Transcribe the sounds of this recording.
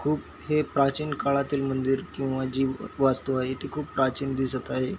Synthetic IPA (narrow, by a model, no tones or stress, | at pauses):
kʰuːp | ɦepɾat͡ɕiːnkaɭat̪iːlmənd̪iɾkĩw̃ʋad͡ʑiːʋast̪oaɦet̪ekʰuːppɾat͡ɕiːnd̪isət̪aɦe